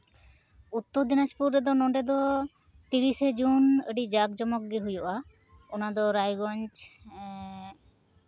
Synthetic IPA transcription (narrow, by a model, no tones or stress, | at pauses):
ut̪ːɔɾd̪inaspuɾɾɛd̪ɔnɔɳɖɛd̪ɔ | t̪iɾised͡ʒunəɖid͡ʒak̚d͡ʒɔmɔk̚ɡiɦujɔʔa | ɔnad̪ɔɾajɡɔɲt͡ʃ